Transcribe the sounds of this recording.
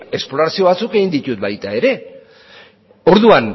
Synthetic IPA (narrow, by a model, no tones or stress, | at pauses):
e̞sploɾasio̞βat͡suke̞ɣind̪it̪ut̪bajt̪ae̞ɾe̞ | o̞ɾðuan